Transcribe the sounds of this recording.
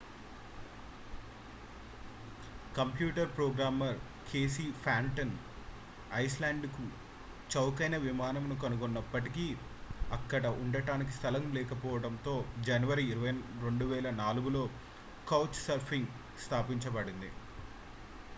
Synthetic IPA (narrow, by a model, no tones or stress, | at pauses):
kɐmpjuːʈɐɾpɾoːɡɾaːmɐɾ | kʰe̞ːs̬iːpʰaːɳʈɐn | ɐjslaːɳɖku | t͡ʃɐwkɐjnɐʋimaːnɐmnukɐnukonːɐpːɐʈiki | ɐkːɐɽɐʔuɳɖɐʈaːnik̬i̥st̪ʰɐlɐmlɛːkɐpɔːʋɐɽɐnt̪o̞ːd͡ʒɐnɐʋɐɾiːɾuʋɐɾe̞ɳɖuʋɛːlɐnaːluɡulo̞ː | kɐwt͡ʃsɐɾpʰiŋɡ | st̪ʰaːpiɲt͡ʃɐbɐɽind̪ḭ